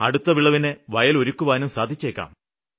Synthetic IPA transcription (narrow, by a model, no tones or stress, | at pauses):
ɐ̰ɽut̪ːɐʋiɭːɐʋineʋɐjɐlo̞ɾukːuʋaːnumsaːd̪ʱit͡ɕːeːkːa̰ːm